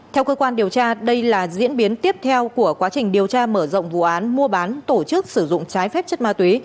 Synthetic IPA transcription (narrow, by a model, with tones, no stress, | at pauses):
t̪ʰɛ˧wkəː˧kwaː˧nɗi˨˩əwt͡ɕaː˧ɗə˧jlaː˨˩zḭ˧˥ənɓi˨˦ənt̪i˦˥əp̚t̪ʰɛ˧wku˧˩əkwaː˨˦t͡ɕï˨˩ŋ̟ɗi˨˩əwt͡ɕaː˧məː˧˩zɔ̰˧˨wŋ͡mvṵ˧˨ʔaː˨˦nmu˧əɓaː˨˦nt̪o˧˩t͡ɕɨ˦˥k̚sɨ˧˩zʊ̰˧˨ŋ͡mt͡ɕaː˨˦jfɛ˦˥p̚t͡ɕə˦˥t̚maː˧t̪wi˨˦